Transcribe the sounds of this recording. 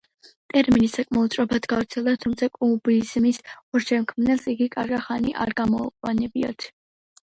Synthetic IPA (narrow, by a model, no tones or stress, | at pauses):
t̪ʼɛɾminisakʼmaut̪sʼɾʼɔpʰat̪ɡavɾt̪sʰɛlˠd̪at̪ʰumt̪sʰakʼubizmisɔɾd͡ʒɛmkʰmnɛlˠsiɡikʼaɾɡaχaniʔa̰ɾɡamɔuqʼwanɛbia̰t̪ʰ